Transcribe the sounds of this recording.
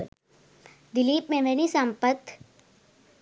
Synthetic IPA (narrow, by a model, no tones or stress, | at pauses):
d̪ɪliːpmẽʋɛnisə̃mpət̪